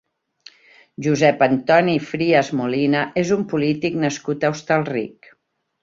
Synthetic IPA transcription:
ʒuzɛpənt̪ɔnifɾiəzmulinəʔezumpulit̪iknəskut̪əust̪əlˠrḭk

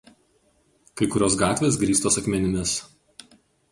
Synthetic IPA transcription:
kɐɪkʊɾʲoːsɡɑːt̪ʲʋʲeːs̬ɡɾʲiːst̪oːsɐkmʲɛnʲɪmʲɪs

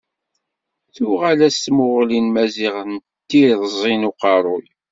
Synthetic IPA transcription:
θʊʁælæst̪mʊʁlinmæziʁn | t̪ːiðzˤinuqɑɾˤʊj

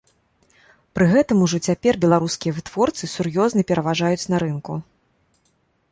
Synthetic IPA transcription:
pɾɨɣɛt̪ɐmuʐɔt͡sʲapʲɛrbʲɛlˠaɾuskʲijɐvɨt̪vɔrt̪sɨsurjɔznɐpʲɛɾɐvaʐajut͡sʲnɐɾɨnku

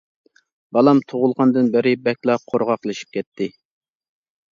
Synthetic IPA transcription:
bɑlˠɑmt̪ʰoʁʊlˠʁɑnd̪ɨnbɪɾɪbɛkʲlˠɑqʰoɾʁɑqlˠɨʃi̥p̚kʲʰɛt̪ʰːɪ

